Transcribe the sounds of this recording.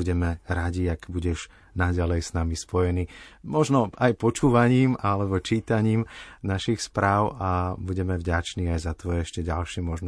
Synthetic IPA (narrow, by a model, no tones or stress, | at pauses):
uɟɛmɛɾaɟiaɡbuɟɛʒ | naɟalɛjsnamispɔjɛniːmɔʒnɔajpɔt͡ʃuːʋaɲiːmalɛbɔt͡ʃiːt̪aɲiːmnaʃixspɾaːʊʔabuɟɛmɛvɟat͡ʃniːajzat̪ʋɔjɛɛʃcɛɟa̰lʃɪɛmɔʒn